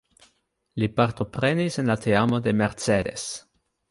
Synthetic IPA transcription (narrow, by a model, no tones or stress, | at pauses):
lipaɾt̪o̞pɾe̞nisenlatʰeamo̞d̪e̞meɾt͡sed̪e̞̰s